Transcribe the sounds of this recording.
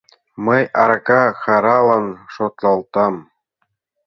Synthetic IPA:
mɤ̆jɑrkɑxɑɾɑlˠɤ̆nʂot̪lˠɑlˠt̪ɑm

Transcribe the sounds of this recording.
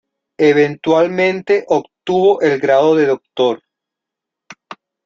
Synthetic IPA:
eβ̞ent̪walmẽnt̪eʔokt̪uβoʔelɡɾaðoðeðok̚t̪oɾ

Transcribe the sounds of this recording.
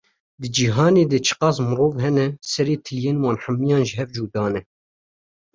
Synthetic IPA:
d̪ɨd͡ʒiɦɑːneːd̪ɛt͡ʃʰɨ̥qɑːsmɨɾoːvɦɛnɛsɛɾeːt̪ʰɨljeːnwɑːnħamːijɑːnʒɪɦɛvd͡ʒuːd̪ɑːnɛ

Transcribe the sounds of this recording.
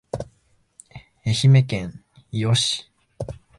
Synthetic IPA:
eçime̞kẽŋ̃ | ijoɕi̥

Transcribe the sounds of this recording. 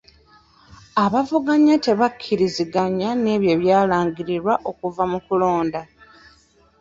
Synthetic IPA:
aβavuɡaɲate̞βakʰːiɾiziɡaɲane̞ːβje̞ːβjaːlaːŋɡiɾiɾwaʔo̞kuvamukulo̞ːnda

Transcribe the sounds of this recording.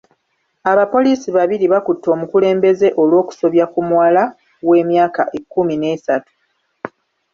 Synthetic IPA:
aβapo̞liːsiβaβiɾiβakutːo̞ːmukule̞ːmbe̞ze̞ʔo̞lwo̞ːku̥so̞βjakumuwala | we̞ːmjaːkaʔekːumine̞ːsatu̥

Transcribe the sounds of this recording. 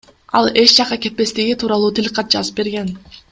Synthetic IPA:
ɑ̰lˠe̞t͡ʃd͡ʒɑqɑke̞t̪̚pe̞st̪iɡit̪ʰuːɾɑlˠuːt̪ʰilʲqɑt̪̚d͡ʒɑzɯp̚be̞ɾɡe̞n

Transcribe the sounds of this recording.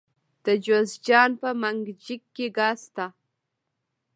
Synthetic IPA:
d̪̥əd͡ʒozd͡ʒɑːnpəmaŋɡd͡ʒɪkːeɡast̪a

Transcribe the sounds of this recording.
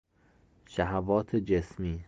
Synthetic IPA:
ʃæɦævɒːt̪ʰed͡ʒesmiː

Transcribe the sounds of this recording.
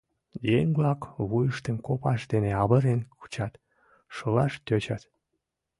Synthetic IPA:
jeŋblɑkβujəʃt̪ənkopɑʃd̪eneɑβəɾenku̥t͡ɕɑt̪ | ʃəlɑʃt̪øt͡ɕɑt̪

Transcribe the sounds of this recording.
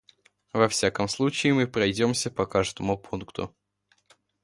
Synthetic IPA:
vɐfsʲakəmslˠut͡ɕɪːmɨpɾɐjdʲo̞msʲəpɐkaʐd̪əmʊpʰunkt̪ʊ̰

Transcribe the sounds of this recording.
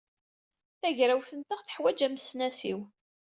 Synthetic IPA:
θæʝɾæwθənt̪əʁθə̥ħwæd͡ʒæməsnæsiw

